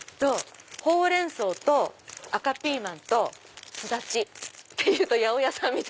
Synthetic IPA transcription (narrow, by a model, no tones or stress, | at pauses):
t̪oho̞ːɾẽ̞ɰ̃so̞ːt̪o̞akapʲiːmãnt̪o̞ | sɨd̪at͡ɕit̪ːe̞jɯ̟ːt̪o̞jaojasãmːʲit̪